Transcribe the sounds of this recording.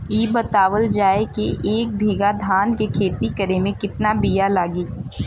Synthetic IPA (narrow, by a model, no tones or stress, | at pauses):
iːbət̪aːwəld͡ʒaːekeʔeːk̚bʱiːɡad̪ʱaːnkekʰeːt̪ikəɾemẽkɪt̪nabijalaːɡiː